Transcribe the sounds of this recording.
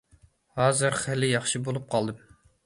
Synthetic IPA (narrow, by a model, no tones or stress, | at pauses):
hɑːzɨɾχælɪjɑχʃibolˠup̚qʰɑlˠd̪ɨm